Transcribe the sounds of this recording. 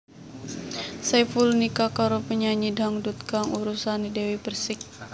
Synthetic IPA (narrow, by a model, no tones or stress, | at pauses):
safulnikakaɾopəɲaɲidaŋdut̪̚kaŋuɾusanidewipərsɪk̚